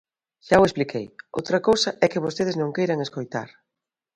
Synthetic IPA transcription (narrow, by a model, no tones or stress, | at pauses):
ʃawesplikʰejo̰wt̪ɾɐkowsɐʔɛkɪβ̞ost̪eðɪznõŋkejɾɐŋeskojt̪a̰ɾ